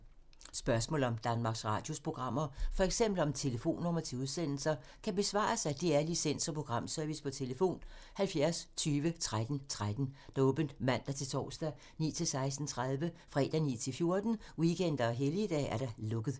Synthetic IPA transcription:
sb̥ɶɐsmɔ̰̽ːlɒ̽md̥ænmɑ̈ɡ̥sʁɑ̰̈ːd̥jo̝spʰʁo̝ɡ̥ʁɑ̈m̰ɐfɒ̽eɡ̥sem̰b̥l̩ɒ̽mt͡sʰe̝ləfo̝̰ːnːɔmɐt͡sʰe̝uð̞ˠsen̰l̩sɐ | kʰæb̥e̝sʋɑ̰̈ːsad̥iæɐlisen̰sɒ̽pʰʁo̝ɡ̥ʁɑ̈m̰sœɐʋispʰɒ̽t͡sʰe̝ləfo̝̰ːnhælfjæɐst͡sʰyːʋət͡sʰʁad̥n̩t͡sʰʁad̥n̩d̥ɔ̽ːb̥ən̩d̥mæn̰d̥ɑt͡sʰe̝t͡sʰɒ̰ːsd̥æ | nḭːt͡sʰe̝lsɑ̈ɪs̬d̥n̩t͡sʰʁað̞ˠʋəfʁɛ̰ːd̥ænḭːt͡sʰe̝lfjo̝ɐd̥n̩wikʰen̰d̥ɐːɦelid̥ɛ̰ːæɐɾ̥ɑ̈lɔ̽ɡ̥ð̩ˠ

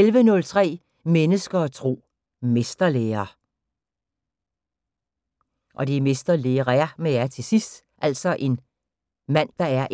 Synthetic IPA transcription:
elʋənɔ̽lt͡sʰʁɛ̰ː | menəsɡ̥ɐt͡sʰʁo̝̰ː | me̝sd̥ɐleːɐː | ʔɒ̽d̥emesd̥ɐleːɐʁæɐmejæɐt͡sʰe̝sisd̥ | ʔæl̰sɒ̽ʔe̝n | mæn̰d̥ɑ̈æɐʔ

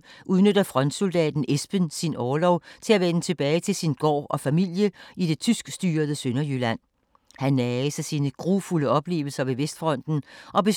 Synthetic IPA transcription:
ʔuðˠnød̥ɐfʁɒ̽n̰d̥so̝ld̥ɛ̰ːd̥n̩ʔesb̥ənsinɒːlɒʊt͡sʰe̝læʋenət͡sʰe̝b̥ɛːɪt͡sʰe̝lsinɡ̥ɒ̰ːʔɒ̽fæmil̰jəid̥e̝t͡sʰysɡ̥sd̥yːɐðˠəsønɐjylæn̰ | hænːɛːsæsiːnəɡ̥ʁufuləɒ̽b̥le̝̰ːʊl̩sɐʋe̝ʋesd̥fʁɒ̽n̰d̥n̩ʔɒ̽b̥e̝

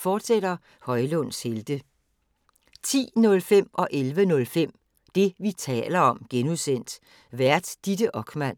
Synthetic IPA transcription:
fɒːd̥seɾ̥ɐ | hɒ̽ɪlɔn̰sheld̥ə | t͡sʰḭːnɔ̽lfem̰ɒ̽ʔelʋənɔ̽lfem̰ | d̥e̝ʋit͡sʰɛ̰ːlɐɒ̽mɡ̥enuðˠsen̰d̥ | ʋæɐ̰d̥ːid̥əʔɒ̽ɡ̥mæn̰

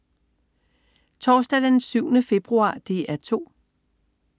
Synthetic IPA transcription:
t͡sʰɒːsd̥æd̥ensyʊ̰nəfe̝b̥ʁuɑ̰̈ːd̥e̝æɐt͡sʰo̝̰ː

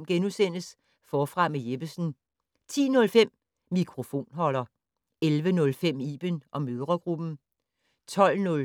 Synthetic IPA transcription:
mɡ̥enusen̰əs | fɒːfʁɑ̈mejeb̥əsn̩ | t͡sʰḭːnɔ̽lfem̰ː | ikʰʁo̝fo̝̰ːnɦɒ̽l̰ɐ | elʋənɔ̽lfem̰iːb̥ənʔɒ̽møðˠʁɐɡ̥ʁub̥n̩ | t͡sʰɒ̽l̰nɔ̽l

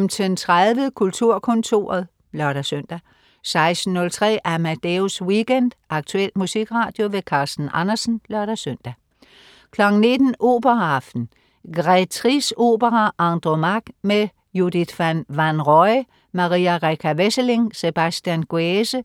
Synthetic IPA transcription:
mt͡sʰent͡sʰʁaðˠʋəðˠkʰult͡sʰuɐ̰kʰɔ̽nt͡sʰo̝̰ːɐð̩ˠ | lɶɐɾ̥æsøn̰d̥æ | sɑ̈ɪsd̥n̩ːɔ̽lt͡sʰʁɛ̰ːʔæmæd̥euswiɡ̥end̥ʔɑ̈ɡ̥̚t͡sʰuel̰d̥̚musiɡ̥ʁɑ̈ːd̥jo̝ʋe̝kʰɑ̈ːsd̥n̩ʔɑnɐsn̩lɶɐɾ̥æsøn̰d̥æ | kʰlɒ̽ɡ̥n̩ne̝d̥n̩ʔo̝̰ːb̥ɐɑfd̥n̩ | ɡ̥ʁɛt͡sʰʁiso̝̰ːb̥əʁɑʔɑ̈nd̥ʁomɑɡ̥me | jud̥id̥fænʋænʁɒɪ | mɑ̈ʁiːæʁɛkʰæʋesəle̝ŋse̝b̥æsd̥jænɡ̥uesə

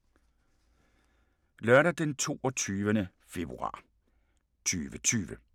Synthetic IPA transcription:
lɶɐɾɐd̥ent͡sʰo̝̰ːɒt͡sʰyːʋənə | fe̝b̥ʁṵɑ̰̈ː | t͡sʰyːʋət͡sʰyːʋə

